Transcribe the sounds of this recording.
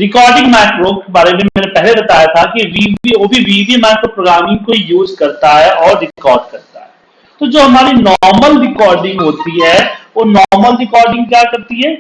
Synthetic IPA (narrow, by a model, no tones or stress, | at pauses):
ɾɪkɔːɾɖɪ̃ŋɡmɛːʈɾoːkebaːɾememɛ̃ːnẽpɛɦlebɐt̪aːjat̪ʰakiʋiiʋoːbʱiʋiːbimɛːkːpɾoːɡɾaːmɪ̃ŋɡ̚koijuːzkɐɾt̪aɦɛʔɔːɾːɪkɔːɾɖkɐɾt̪a̰ɦɛː | t̪oːd͡ʒoːɦɐmaːɾinɔːɾməlɾɪkɔːɾɖɪ̃ŋɡɦoːt̪iɦɛːʋoːnɔːɾməlɾɪkɔːɾɖɪ̃ŋɡkjaːkɐɾt̪iɦɛː